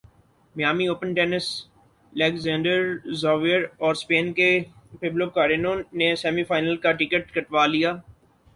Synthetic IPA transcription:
mjaːmioːpənʈɛːnɪs | lɛːkzɛ̃ːɳɖəɾzɔːʋijəɾɔːɾspeːnkepɪbloːkaːɾenõːesɛːmifaːɪnəlkaʈɪkəʈ̚kɐʈʋaːlijaː

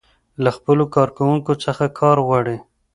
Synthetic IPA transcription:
laxpəlokɑɾkawuŋkot͡səxakʰɑɾɣwɑɽi

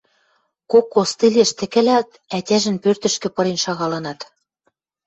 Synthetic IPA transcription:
kokːost̪ileʃt̪ɘ̆kɘ̆læt̪ | ætʲæʒɘ̆npørt̪ɘ̆ʃkɘ̆pɤ̆ɾenʃɑɣɑlɤ̆nɑt̪

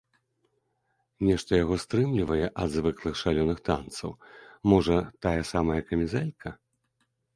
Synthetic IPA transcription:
nʲɛʂt̪ɐjaɣɔst̪ɾɨmlʲivɐjɛʔɐd̪zvɨklˠɨxʂalʲɔnɨxt̪a̰nt̪sɐ̰wmɔʐɐt̪ajɐsamɐjɐkɐmʲizɛlʲkʰɐ

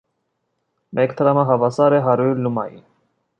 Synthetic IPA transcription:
mʔɛkt̪ʰəɾɑmɑɦɑvɑsɑɾɛɦɑɾuɾlumɑjḭ

